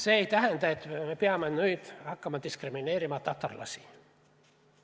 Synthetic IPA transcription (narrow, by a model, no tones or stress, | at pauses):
seejt̪æɦænt̪æet̪mepeɑmːenyjt̪ɑkːɑmɑd̪iskrimineːɾimɑt̪ɑt̪ːɑ̰rlɑ̰si̥